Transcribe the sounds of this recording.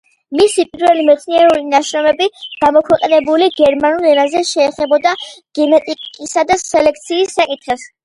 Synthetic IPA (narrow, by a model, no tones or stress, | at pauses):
misipʼiɾvɛlimɛt̪sʰniɛɾulinaʃɾɔmɛbiɡ̥amɔkʰwɛqʼɛnɛbuliɡɛɾmanulɛnazɛʃɛːχɛbɔd̪aɡ̥ɛnɛt̪ʼikʼisad̪asɛlɛkʰt̪sʰiːsːakʼit̪χɛs